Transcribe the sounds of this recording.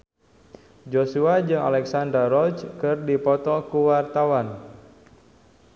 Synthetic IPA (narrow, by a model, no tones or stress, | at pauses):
d͡ʒosuad͡ʒɨŋa̰lɛksandaɾɔt͡ʃkɨrdipɔt̪ɔkuwart̪awan